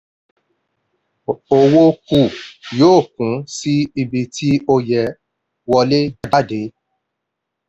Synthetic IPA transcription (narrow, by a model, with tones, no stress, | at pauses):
o˨wo˧ku˨joː˦˨kũ˨˦si˦i˧bi˧tʰi˦o˧jɛ˨ | wɔ˧le˦d͡ʒɛ˦da˦de˨˦